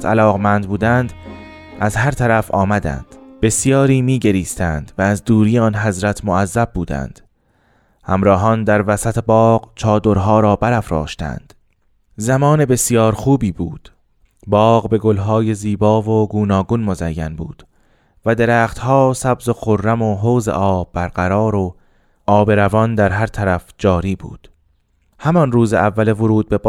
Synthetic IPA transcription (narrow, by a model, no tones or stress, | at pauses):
t̪ʰælɒːɣmænd̪̚buːd̪ænd̪ | ʔæzɦæɾt̪ʰæɾæfɒːmæd̪æ̰nd̪̥b̥e̞sjɒːɾiːmiːɟe̞ɾiːst̪ænd̪væːzd̪uːɾiːeɒːnɦæzɾæt̪ʰmoæzːæbːuːd̪æ̰nd̪̥ | hæmɾɒːɦɒːnd̪æɾvæsæt̪ʰe̞bɒːɢt͡ʃʰɒːd̪oɾɦɒːɾɒːbæɾæfɾɒ̰ːʃt̪æ̰nd̪̥ | zæmɒːnebe̞sjɒːɾxuːbiːbuːd̪̥ | bɒːɢbe̞ɡo̞lɦɒːje̞ziːbɒːvoɡuːnɒːɡunmozæjːænbuːd̪̥ | væd̪e̞ɾæːχt̪hɒːsæbzo̞xorːæmoɦoːzḛʔɒːbːæɾɢæɾɒːɾo | ɒːbe̞ɾævɒnd̪æɾɦæɾt̪ʰæɾæfd͡ʒɒːɾiːbṵːd̪̥ | hæmɒnruːzeʔævːælevoɾuːd̪̚be̞